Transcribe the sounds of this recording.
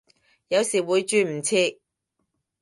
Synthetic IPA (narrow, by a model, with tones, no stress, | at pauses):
jɐ˨˧wsiː˨˩wuː˨˧jt͡ʃyː˧m̩˨˩t͡sʰiː˧